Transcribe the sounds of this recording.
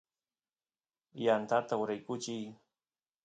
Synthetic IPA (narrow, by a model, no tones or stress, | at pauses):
jant̪at̪aʊɾajkʊt͡ʃɪj